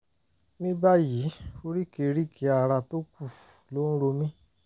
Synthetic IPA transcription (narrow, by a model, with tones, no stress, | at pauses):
nĩ˦ba˦ji˨˦o˧ɾi˦ke˧ɾi˦kʰe˨˦a˧˨ɾa˧to˦ku˦˨lo˨˦ñ̩˦ɾo˧mĩ˦